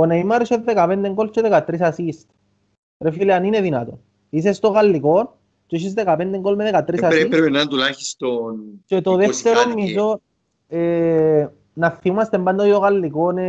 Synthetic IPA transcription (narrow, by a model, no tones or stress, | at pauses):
oneimaɾiʃeðd̪ekapend̪eŋkolt͡ʃoðekat̪ːɾisasist̪ | ɾefileanineðina̰t̪o̰ | is̬est̪oɣalːikon | t͡ʃoʃ̬is̬d̪ekapend̪eŋkolmeðekat̪ːɾisasɾenant̪ulaxist̪ont͡ʃet̪oðeft̪eɾomːis̬o | e | nafiumast̪emband̪ojoɣalːikone